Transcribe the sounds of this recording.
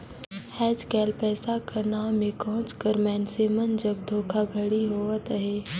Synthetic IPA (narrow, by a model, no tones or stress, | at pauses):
hɛːd͡ʒkɛːlpɛːsakɐɾnamẽkɔɦʊ̃t͡ʃkəɾmɛːnsemənd͡ʒɐɡ̚d̪ʱoːkʰaɡʱəɽiɦoːət̪əɦeː